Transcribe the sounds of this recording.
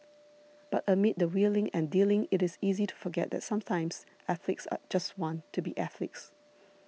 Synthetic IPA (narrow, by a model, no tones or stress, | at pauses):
b̥atəmɪt̚dəwilɪ̃ŋɛ̃ndilɪ̃ŋɪɾɪsizitʰu̥fəɡɛ̰ʔ̚d̪ɛ̰tsãmtʰãɪ̃ms | ʔɛθlɪksa̰d͡ʒastwɔ̃ntʰːubiʔɛθlɪ̰ks